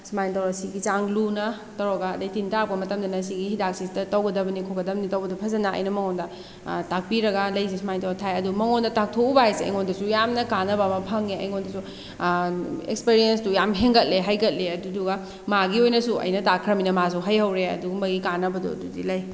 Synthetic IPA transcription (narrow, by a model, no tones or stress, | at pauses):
smajntɐwɾasiɡit͡ʃaŋlunɐ | tɐɾɔɡaːdɐjtintaɾp̚kɐmɐtɐmdɐnɐs̬iɡihidak̚sistɐtɐwɡɐdɐbɐnikʰoɡɐdɐb̚nitɐwbɐdupʰɐzɐnaɐ̰jnɐmɐŋɔndɐ | tak̚piɾɐɡɐlɐjs̬esmajntɐwɾatʰajɐdumɐŋondɐtak̚tʰoubaajseɐ̰jŋondɐsujamnɐkanɐbɐmɐpʰɐŋeɐ̰jŋondɐsu | ḛkspeɾienstujamɦeŋɡɐt̚leɦajɡɐt̚leɐduduɡɐ | maɡiojnɐsuʔɐ̰jnɐtakʰɾɐminɐmas̬uɦɐjhɐwɾeɐ̰duɡɐmɐɡikanɐbɐdṵɐ̰dudilɐj